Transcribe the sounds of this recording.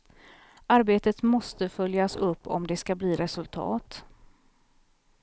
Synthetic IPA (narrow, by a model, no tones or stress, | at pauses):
aɾbeːt̪ət̪mɔst̪əfœljasɵpːɔ̰md̪ɛskabliːɾɛsɵlt̪ʰɑ̰ːt̪